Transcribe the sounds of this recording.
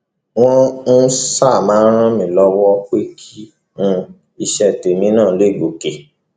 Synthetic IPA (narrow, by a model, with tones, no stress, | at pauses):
w̃ɔ̃˦n̩˦sa˦˨mãː˨˦ɾ̃ã˦mĩ˨˦˨lɔ˧wɔ˦k͡pe˦kʰi˦ | nũ˧ | i˧ʃɛ˧˨te˨mĩ˦nãː˦˨˦le˦˨ɡo˨ke˨